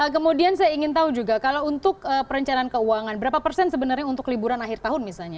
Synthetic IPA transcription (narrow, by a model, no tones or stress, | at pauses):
əkəmudiansajaiŋɪnt̪aud͡ʒuɡakalawunt̪ʊkəpəɾəɲt͡ʃanaːnkəuaŋanbəɾapapərsɛnsəbənarɲaunt̪ʊklibuɾanaɦɪrt̪aɦʊnmisalɲa